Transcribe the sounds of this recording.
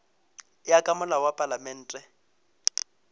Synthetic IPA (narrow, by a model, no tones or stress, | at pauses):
ɪjakʼamʊlawapʼalamɛn̩ːtʼɛ